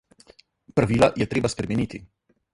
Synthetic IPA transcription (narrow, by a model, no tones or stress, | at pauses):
pɾaʋiːlajɛt̪ɾeːbaspɾɛmɛniːt̪i